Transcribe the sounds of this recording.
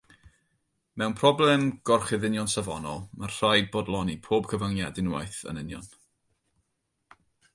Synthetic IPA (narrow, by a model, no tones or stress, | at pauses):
mɛwnpʰrɔblˠɛmɡ̥ɔrχɪðɪnjɔnsavɔ̰nɔlˠmarr̥ajd̚bɔdlˠɔnipʰoːb̥̚kʰəvaŋjadɪnwa̰jθə̰nɪnjɔ̰n